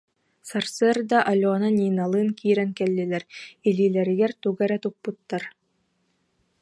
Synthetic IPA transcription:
saɾsɯɾd̪aʔalʲɔːnanʲiːnalˠɯːnkiːɾɛnkɛlːilɛɾiliːlɛɾiɡɛɾt̪uɡɛɾɛt̪uk̚put̪ːaɾ

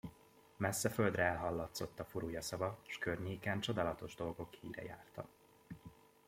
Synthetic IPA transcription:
mɛsːɛfø̞ld̪rɛɛlɦɒlːɒt̪so̞t̪ːɒfuɾuːjɒsɒvɒʃkørɲeːkɛnt͡ʃo̞d̪aːlɒt̪o̞ʒd̪o̞lɡo̞khiːɾɛ̰jaːrt̪ɒ̰

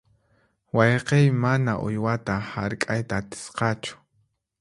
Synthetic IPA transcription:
wɑjqejmanaʔʊ̰jwat̪ahaɾkʼajt̪aːt̪ɪ̥sqɑt͡ʃʊ̥

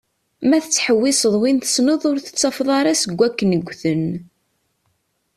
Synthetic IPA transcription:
mæθət͡sːħəwːɪsəðˤwinθə̥snəðˤʊɾθə̥t͡sːɑfðˤɑɾˤæsəɡʷːækːənəɡʷːθən

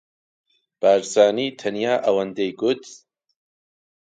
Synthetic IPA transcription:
b̥aːɾzaːniːt̪ʰɐnjaːʔɐwɐnd̪ejɡʊt̪

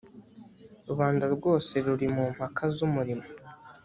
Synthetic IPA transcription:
ɾuβaːndaɾɡo̞ːse̞ɾuɾimum̥hakʰazumuɾimo

